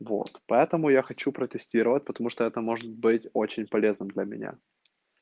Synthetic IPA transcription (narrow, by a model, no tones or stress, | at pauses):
vo̞̰t̪pɐɛt̪əmʊjaxɐt͡ɕupɾət̪ʲɪsʲtʲiɾəvət̚ʲpə̥t̪ɐmuʂt̪oɛt̪əmo̞ʐɨt̪̚bɨtʲot͡ɕɪnʲpɐlʲe̞znɨmd̪lʲɐmʲɪ̰nʲa̰